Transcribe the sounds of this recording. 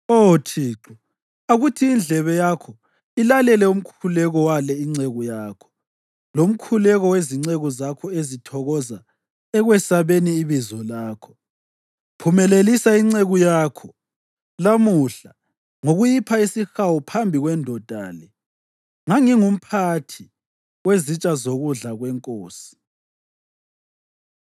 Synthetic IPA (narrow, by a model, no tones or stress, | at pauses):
otʰiːǁu | aɣutʰiːnd͡ɮʱɛβɛjakʰɔ | ilalɛlɛum̩kʰulɛɣɔwalɛiŋ͡ǀeɣujaːkʰɔ̥ | lom̩kʰulɛɣɔweziŋ͡ǀeɣuzakʰɔezitʰɔɣɔza | ɛɣwɛsaβeniːβizɔlaːkʰɔ̥ | pʰumɛlelisaiŋ͡ǀeɣujaːkʰɔ | lamuɬa | ŋoɣujipʰaisixawɔpʰambʱiɣwɛndʱɔd̥ʱa̰ːlɛ | ŋaŋiŋum̩pʰatʰi | wezit͡ʃʼazoɣuɮaɣwɛŋkʼoːsi̥